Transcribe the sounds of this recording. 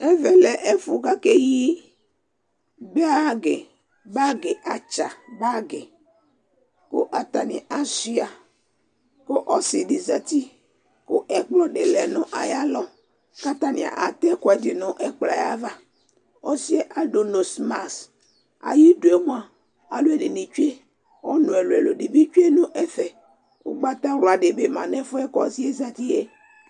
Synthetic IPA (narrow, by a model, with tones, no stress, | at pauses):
ɛ˦vɛ˨lɛ˨ʔe˦fu˨ɡa˦ke˦ji˦ | bɛ˦a˦˨ɡe˨ | ba˦ɡe˨ʔa˨t͡ʃa˨ba˦ɡe˨ | ko˦ʔa˨t̪a˨nḭ̃˨ʔa˦si˦a˨ | ko˦ʔɔ˦si˨ɖi˨za˨t̪i˦ | ko˦ʔɛ˦k͡plɔ˨ɖe˨lɛ˨nõ˦ʔa̰˨ja˦lɔ˨ | ka˦t̪a˦nḭ̃˨a̰˨ʔa̰˨t̪ɛ˦kɔ˨ɛ˨di˨nʊ̃˦ʔɛ˦k͡pla̰˨ja̰˦va˦ | ɔ˦si˦e˦ʔa˨do˨no˨sma˨s | a̰˨ji˦du˨e˦mũ˦a˨ | a˨lu˦e˦de˨ni˨t͡ʃu˦e˦ | ɔ˦nũ˨e˨lo˨ḛ˨lo˨ɖi˨bi˦t͡ʃu˦e˦nʊ̃˦ʔɛ˦fɛ˨ | o̰˦ɡ͡ba˦t̪a˦wo˨a˨ɖe˨be˨mã̰˨nɛ̃˦fʊ˦ɛ˦kɔ̰˨zi˦e˦za˨t̪i˦je˦